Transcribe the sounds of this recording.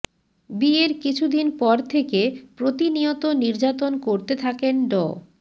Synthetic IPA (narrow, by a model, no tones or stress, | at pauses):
bieɾkit͡ɕʰud̪inpɔɾt̪ʰekepɾot̪iniot̪oniɾd͡ʑat̪onkoɾt̪et̪ʰakenɖɔ